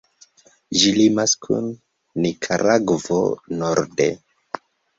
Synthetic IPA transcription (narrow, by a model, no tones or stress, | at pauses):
ʒilimaskʰṵnː | ikʰaɾaɡvo̰noɾdḛ